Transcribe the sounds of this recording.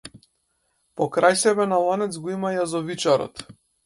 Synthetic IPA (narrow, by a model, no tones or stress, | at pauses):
pɔkɾajsɛbɛnalˠanɛt̪sɡɔimajazɔvit͡ʃaɾɔ̰t̪